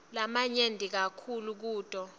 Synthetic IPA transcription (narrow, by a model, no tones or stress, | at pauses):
lamaɲendʱik̬akʰuluk̬uːtʼɔ